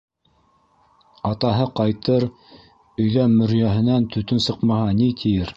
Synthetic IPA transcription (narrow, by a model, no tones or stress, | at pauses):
ɑt̪ɑɦɤqɑjt̪ɤɾ | ɵ̆jðæmɵ̆ɾjæɦɘ̆nænt̪ʰɵ̆t̪ɵnsɤ̆qmɑhɑnit̪ʰijɘɾ